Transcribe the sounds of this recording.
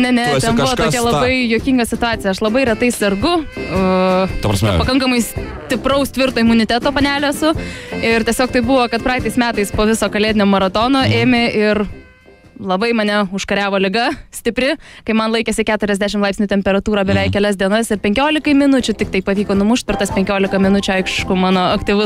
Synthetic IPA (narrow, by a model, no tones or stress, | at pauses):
nʲɛnʲɛtːt̪ʲɛnbʊʋɔoːkʲɛlˠɐbɐɪjoːkʲɪŋɡɐsʲɪt̪ʊɑːt͡s̪ʲɪjɛɐʃlˠɐbɐɪɾʲɛt̪ɐɪsɐrɡʊ | psmpɐkɐŋkɐmɐɪsʲ | t̪ʲɪprɐʊsʲt̪ʋʲɪɾt̪oːɪmʊnʲɪt̪ʲæːt̪oːpɐnʲæːlʲoɛsʊɪɾt̪ʲiɛsʲoːkt̪ɐɪbʊʋoːkɐt̪pɾɑːkt̪ɐɪsmʲæːt̪ɐɪspoːʋʲɪsoːkɐlʲeːdʲɪnʲoːmɐɾɐt̪oːnoːʔeːmʲɪʔɪr | lˠɐbɐɪmɐnʲɛʊʃkɐɾʲæːʋoːlʲɪɡɐsʲt̪ʲɪpʲɾʲɪkɐɪmɐnlˠɐɪkʲɛsʲɪkʲæːt̪ʊɾʲɛzd̪ʲæʃʲɪmlˠɐɪpsʲnʲʊːt̪ʲɛmʲpʲɛɾɐt̪uːɾɐːbʲɛʋʲɛɪkkʲɛlʲɛsd̪ʲiɛnɐsɪɾpʲɛŋʲkʲoːlʲɪkɐɪmʲɪnʊt͡ʃʲʊt̪ʲɪk̚t̪ɐɪpɐʋʲiːkoːnʊmʊʃʲt̪̚ʲpʲɛrt̪ɐspʲɛŋʲkʲoːlʲɪkɐmʲɪnʊt͡ʃʲʊɐɪkʃʃkʊmɑːnoːɐkt̪ʲɪʋʊ